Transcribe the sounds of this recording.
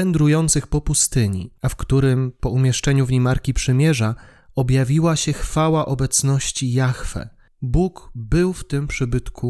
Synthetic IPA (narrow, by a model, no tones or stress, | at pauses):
ɛnd̪ɾujɔnt̪sɘxpɔpust̪ɘɲḭafkt̪uɾɘmpɔumʲjɛʂt͡ʂɛɲuvɲemaɾkʲipʂɘmʲjɛʐa | ɔbjavʲiwaɕɛxfawaʔɔbɛt̪snɔɕt͡ɕijaxfɛ̰ | bukbɘwft̪ɘmpʂɘbɘt̪kʰu